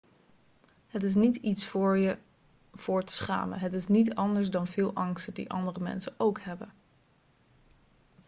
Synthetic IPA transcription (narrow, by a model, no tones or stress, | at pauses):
ɦətɪs̬nititsfʊːɹjə | v̥ʊːɹtə̥sχa̰ːmə̰ɦətɪsnitɑndəɹzdɑnvɪːlˠʔɑŋstədḭʔɑ̰ndərəmɛ̰nsəowkhɛbən